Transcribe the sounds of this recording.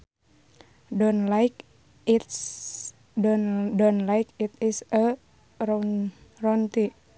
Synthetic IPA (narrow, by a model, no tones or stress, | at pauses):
donlajk | dɔnlajkit̪isə | rɔnt̪i